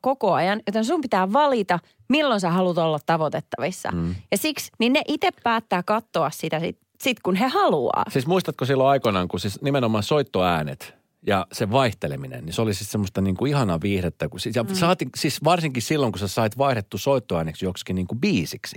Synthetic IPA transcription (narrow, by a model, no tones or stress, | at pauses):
kokoɑjɑnjot̪ensumpit̪æːʋɑlit̪ɑ | milːonsæhɑlut̪olːɑt̪tɑʋot̪et̪ːɑʋisːɑ̰jɑsiksninneʔit̪eppæːt̪ːæːkɑt̪ːoɑssit̪æsḭt̪ | sit̪kunɦehɑluɑ̰ːsiːsmuist̪ɑt̪kosilːoɑikonɑŋkusisnimenomɑnsoit̪ːoæːnḛt̪ | jɑseʋɑiht̪elḛminḛnnisolisit̪semːost̪ɑniːŋkuihɑnɑʋiːhret̪ːækusijɑsɑːt̪isisʋɑrsiŋkissilːoŋkusesɑit̪ʋɑiret̪ːusoit̪ːoæːneksjokskiniːŋkubiːsiksi̥